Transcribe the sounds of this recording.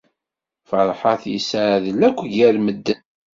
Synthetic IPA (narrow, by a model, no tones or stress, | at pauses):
fəɾˤħɑθjəsəʕðəlːækʷːʝæɾməd̪ːən